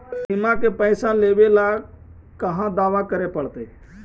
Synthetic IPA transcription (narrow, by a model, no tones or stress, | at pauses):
sɪmãkepəɪsãleːʋela | kəɦãd̪aːʋakəɾepəɽt̪eː